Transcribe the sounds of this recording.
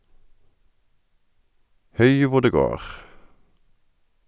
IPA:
ˈhʉɪ ˈʋʊ ˈɖeː ˈɡoːʁ

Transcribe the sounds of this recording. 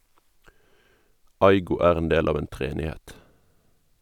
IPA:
ˈɑɪɡʊ ˈæːʁ ˈeːn ˈdeːl ˈɑːʋ ˈeːn tʁɛˈeːnɪˌhɛt

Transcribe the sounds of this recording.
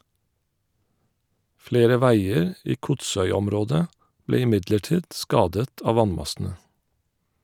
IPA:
ˈfleːɾə ˈʋæɪəɹ ˈiː ˈkʊtˌsœʏˌɔmˌɾoːdə ˈbleː ɪˈmɪdləˌʈiːd ˈskɑːdət ˈɑːʋ ˈʋɑnˌmɑsn̩ə

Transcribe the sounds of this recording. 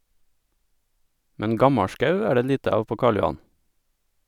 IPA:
ˈmɛn ˈɡɑmɑˌʃkɑʉ ˈæː ˈɖeː ˈʎiːtə ˈɑːʋ ˈpoː ˈkɑːɭ jʊˈɑn

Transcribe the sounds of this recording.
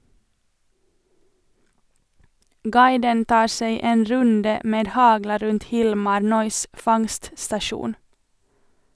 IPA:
ˈɡɑɪdən ˈtɑːɾ ˈseɪ ˈeːn ˈɾʉndə ˈmeːd ˈhɑɡlɑ ˈɾʉnt ˈhɪlmɑɾ ˈnœʏs ˈfɑŋststɑˌʃuːn

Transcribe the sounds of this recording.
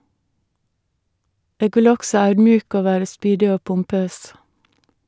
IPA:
ˈeːɡ ˈʋɪl ˈɔɡsɔ ˈɑʉdmˌjʉːkə ˈoː ˈʋæːɾə ˈspyːdɪ ˈoː pʊmˈpøːs

